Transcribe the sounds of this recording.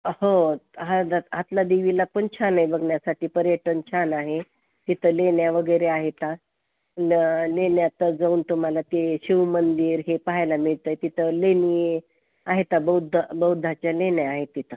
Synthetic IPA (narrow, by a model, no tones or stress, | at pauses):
hoɦad̪aat̪lad̪iʋilapəɳt͡ɕʰanajbəɡɳjasaʈiːpəɾjəʈənt͡ɕʰanaɦe | t̪it̪ʰəlenjaʋəɡəjɾeaɦet̪a | llenjat̪əd͡zauːnt̪um̤alat̪eɕiʋmənd̪iːɾɦepaɦajlamiɭt̪əjt̪it̪ʰəlenie | aɦet̪abəwd̪ʱbəwd̪ʱat͡ɕjalenjaaɦet̪ːit̪ʰə